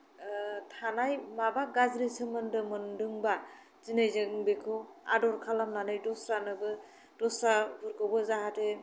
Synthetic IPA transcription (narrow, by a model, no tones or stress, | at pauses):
tʰanajmabaɡazɾisɯmɯndɯmɯndɯŋba | zinɯjzɯŋbekʰɯa̰dɔɾkʰalamnanɯjdɔsɾanɯbɯ | dɔsɾabʱɯɾkʰɔbɯzaɦatʰe